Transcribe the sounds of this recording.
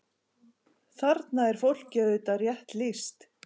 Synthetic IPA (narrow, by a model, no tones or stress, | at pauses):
θaɾt̪naɛɾ̥fowl̥cœʏt̪arjɛht̪list̪